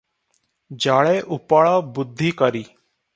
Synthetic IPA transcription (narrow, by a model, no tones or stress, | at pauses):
d͡ʒaːɭeːʔʊpaːɭaːbʊd̪ʱːiːkəɾiː